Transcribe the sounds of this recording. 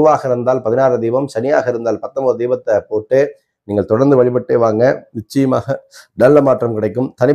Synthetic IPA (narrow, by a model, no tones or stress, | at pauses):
ɯʋaːɣɐɪɾɯnd̪aːlpɐðɪnaːrɯd̪iːʋɐmsɐnɪja̰ːɣɐɪɾɯnd̪aːlpɐt̪ːɐmbɐːðɯd̪iːbɐt̪ːɐpoːʈːeː | niːŋɡɐɭt̪ɔɽɐɾnd̪ɯʋɐɭɪpɐʈːeːʋaːŋɡɐʋɪt͡ʃːɐjɐma̰ːɣɐnɐɭːɐmaːʈrɐmkɪɽɐɪkːɯmt̪ɐnɪ